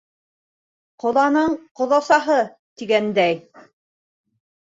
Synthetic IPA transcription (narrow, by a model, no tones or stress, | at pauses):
qŏðˠɑnɤɴqŏðɑsɑɦɤ | t̪iɡænd̪æj